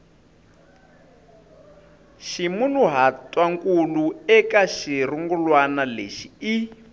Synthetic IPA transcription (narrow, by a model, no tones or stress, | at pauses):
ʃimunuɦatʼwaŋkʼuluɛkaʃiɾuŋɡulwanalḛʃii